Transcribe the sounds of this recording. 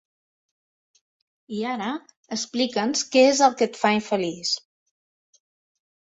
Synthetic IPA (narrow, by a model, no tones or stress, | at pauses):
iaɾə | əsplikənskɛezəlˠkət̪faiɱfəlis